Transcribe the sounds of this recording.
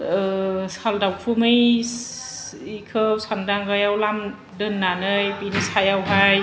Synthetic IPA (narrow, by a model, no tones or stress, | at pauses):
saldawpʰumɯj | ikʰɯw̚sandaŋɡajawlam | dɯnːanɯjpinisajawɦaj